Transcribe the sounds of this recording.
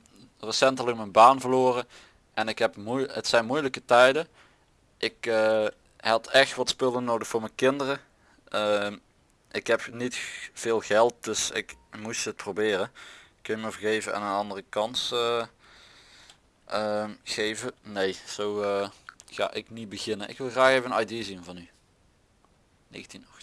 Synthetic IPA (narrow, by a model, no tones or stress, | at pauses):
rəsɛntələkmənbaːnvəɹloːrə | ʔɛnɪkɦɛpmujətsɛjnmujləkətɛjdə | ʔɪkə | ɦɑtɛxtʋɑtspɵlənːowdəxfʊːɹmɛjnkɪndərə | ə | ʔɪkɦɛpnitfɪːlˠɣɛlˠt̚d̥ɵsɪ̰kmusət̚probɪːrəɪkːənjəməvəɹɣejvənʔɛ̰nənɑndərəkɑnsə | əmɣejvənejz̥owəxa̰ːʔɪknibəɣɪnənʔɪ̰kʋɪlˠxraːxejvənɑjdiːzinvɑny | nḛːɣəntinɔxt